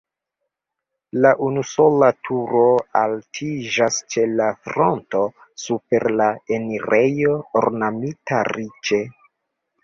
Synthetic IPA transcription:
laʔunuso̞latʰuɾo̞altʰid͡ʒast͡ʃe̞lafɾo̞nto̞ | supe̞ɾlaeniɾe̞jo̞ːɾnamitaɾit͡ʃe̞

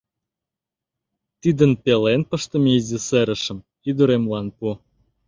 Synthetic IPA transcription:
t̪id̪ənpelenpə̆ʃt̪ə̆meizĕseɾə̆ʃə̆m | id̪uɾemlɑnpu

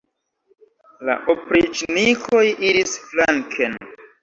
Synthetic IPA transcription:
la̰ʔopɾid͡ʒnikʰo̞jiɾisflaŋkʰen

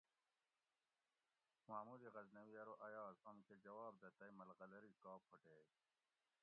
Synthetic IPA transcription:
maːmuɾiɣɐznɐwijɐɾoʔɐjaːzomkʰed͡ʑɐwaːb̚d̪ɐt̪ɐimɐlɣɐlɐɾikaːpʰːoʈeː

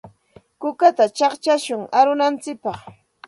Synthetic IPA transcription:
kʊkat̪at͡ʃɑχt͡ʃaʃʊŋaɾʊnant͡sɪk̚pɑχ

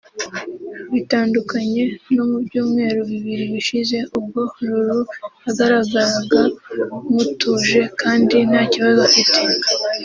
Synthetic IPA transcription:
βitaːndukaɲe̞no̞mubjuːmŋe̞ːɾuβiβiɾiβiʃize̞ʔub̚ɡo̞ɾuɾuaɡaɾaɡaɾaŋɡamutuːʒe̞kaːndin̥haːciβazofite

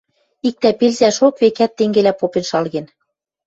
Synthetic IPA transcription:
ik̚t̪æpelzæʃokβekæt̪ːeŋɡelæpopenʃɑlɣen

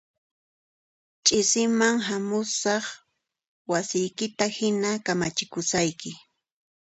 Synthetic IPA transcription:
t͡ʃʼɪsɪmaŋɦamʊsɑχ | wasɪjkɪt̪ahɪnakamat͡ʃɪkʊsajkɪ

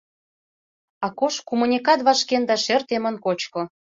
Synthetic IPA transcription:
ɑkoʃkumunʲikɑt̪βɑʃkend̪ɑʃert̪emə̆nkot͡ɕkŏ

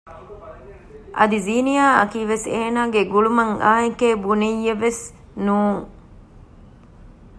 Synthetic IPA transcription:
ʔɐ̰d̪iziːnijaːʔɐkiːʋeseːnaːɡeɡuɭumɐŋaːikeːbunejːɐʋes | nuːŋ

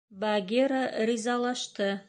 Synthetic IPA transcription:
baɡʲeɾaɾizɑlˠɑʃt̪ɤ

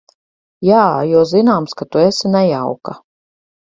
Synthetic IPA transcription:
jaːjuɔzinaːmskat̪uesinɛjawka

